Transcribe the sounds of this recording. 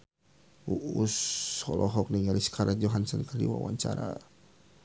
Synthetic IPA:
uushɔlʔɔɦɔk̚niŋaliskʰaɾad͡ʒɔɦansɔnkardiwa̰waɲt͡ʃaɾa̰

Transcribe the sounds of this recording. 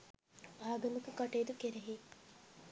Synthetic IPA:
aːɡɐmukekɐʈeːd̪ukeɾeɦi

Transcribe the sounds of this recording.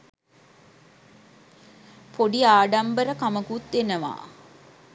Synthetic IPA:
poɖiaːɖambəɾəkaməkut̪ʋenəʋa̰ː

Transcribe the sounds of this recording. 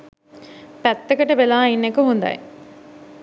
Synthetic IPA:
pæt̪ːekəʈəbelaːinːekəɦund̪a̰j

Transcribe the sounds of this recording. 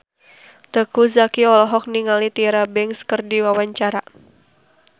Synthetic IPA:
t̪əkuzakiɔlɔɦɔk̚niŋalit̪iɾabɛŋskərdiwawaɲt͡ʃaɾa

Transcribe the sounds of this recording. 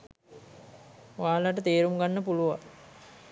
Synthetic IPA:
ʋaːlaʈət̪eːɾumɡanːəpuluʋa̰

